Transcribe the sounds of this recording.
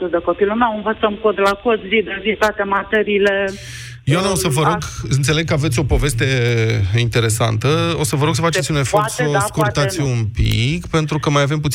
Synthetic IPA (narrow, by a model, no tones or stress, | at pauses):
t̪ud̪əko̞pilumewɨnvət̪səmkod̪lakot̪zid̪əzit̪oat̪emat̪eɾiːle | jwanaosəvəɾo̞ɡɨnt̪sele̞ɡ̚kəave̞t̪sʲo̞po̞ve̞st̪e̞int̪e̞ɾe̞sa̰nt̪əo̞səvəɾo̞ɡsəfat͡ʃet̪sʲune̞fortt̪soskuɾt̪at̪ʲumpḭkpe̞nt̪ɾukəmajave̞mput̪